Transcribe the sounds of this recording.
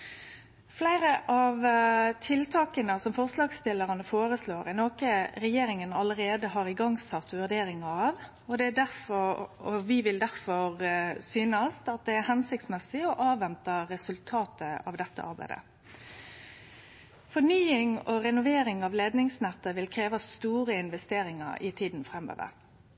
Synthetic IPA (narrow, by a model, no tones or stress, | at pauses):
flæɪɾəʔɑʋt̪ʰɪlt̪ʰɑːkənəsɔmfɔʁslɑːɡst̪ɪlːəʁɑnəfoːɾəsloːɾɪnoːkəɾɛjeːɾɪŋənɑləɾeːd̪əɦɑɾɪɡɑŋːsɑt̪ːʋʉʁɖ̪eːɾɪŋəɾɑːʋ | ɔd̪ɛæɖ̪æɾfɔɾɔʋɪʋɪld̪æɾfɔɾsyːnəst̪ɑt̪̚d̪ɛæɾhɛnsɪk̚t̪smɛsɪɔʔɑːʋɛnt̪əɾɛsʉlt̪ʰɑːt̪əɑʋd̪ɛt̪ːə̰ʔɑ̰ɾbæ̰ɪd̪ə̰ | fɔnyːɪŋɔɾɛnʊʋeːɾɪŋɑʋleːd̪nɪŋsnɛt̪ːəʋɪlkʰɾeːʋɑst̪uːɾəɪnʋɛst̪eːɾɪŋɑ̰ɾʔɪ̰t̪ʰiːd̪n̩fɾɛmːø̰ːʋə̰ɾ